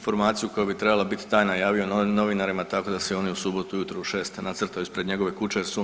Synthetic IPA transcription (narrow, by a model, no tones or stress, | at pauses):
nfo̞ɾmaːt̪sijuko̞jubit̪ɾe̞balˠabit̪i̥t̪aːjnajaːʋio̞nno̞ʋinaɾimat̪ako̞d̪aseo̞niusuːbo̞t̪uujut̪ɾouʃe̞ːst̪nat̪sər̩t̪ajuispɾeɲe̞ɡo̞ʋekut͡ʃeɾsu